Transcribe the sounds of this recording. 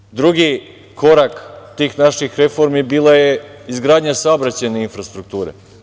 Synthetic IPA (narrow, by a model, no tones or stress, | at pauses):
d̪ɾuɡi | ko̞ɾakt̪iːxnaʃixɾe̞fo̞ɾmibiːlˠajeizɡɾaːd̪ɲasaobɾat͡ɕeneinfɾast̪ɾuk̚t̪uːɾḛ